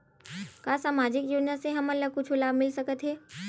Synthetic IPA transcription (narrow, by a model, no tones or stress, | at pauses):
kasaːmaːd͡ʒɪkjod͡ʒnaseɦɐmɐlːəɡ̚kʊt͡ʃʰulaːbʱmɪlsəkət̪ɦɛː